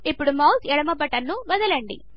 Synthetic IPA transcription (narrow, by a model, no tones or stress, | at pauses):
ipːuɽumɐwsɛɽɐmɐbɐʈɐnːuʋɐd̪ɐlɐɳɖḭ